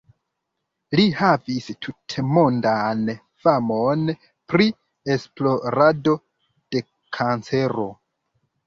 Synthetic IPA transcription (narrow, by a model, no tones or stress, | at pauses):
lihavistʰutʰemondan | famon | pɾi | e̞splo̞ɾado̞ | d̥e̞ | kʰant͡se̞ɾo̞̰